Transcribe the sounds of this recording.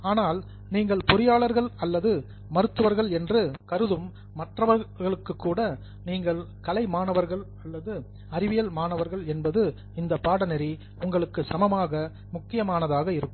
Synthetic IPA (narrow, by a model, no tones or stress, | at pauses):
aːnaːl | niːŋɡɐɭpʊɾɪjaːɭɐɾɣɐɭɐlːɐðɯ | mɐɾɯt̪ːɯʋɐɾɣɐɭɛndrɯkɐɾɯðɯmː | ɐʈrɐʋɐɾɣɐɭɯkːɯkːuːɽɐ | niːŋɡɐɭ | kɐlɐɪmaːɳɐʋɐɾɣɐɭ | ɐlːɐðɯ | ɐɾɪʋɪjɐlmaːɳɐʋɐɾɣɐɭɛnbɐðɯ | ɪnd̪ɐpːaːɽɐnɛɾi | ʊŋɡɐɭɯkːɯsɐmɐmaːɣɐ | mʊkːɪjɐmaːnɐðaːɣɐɪɾɯkːɯm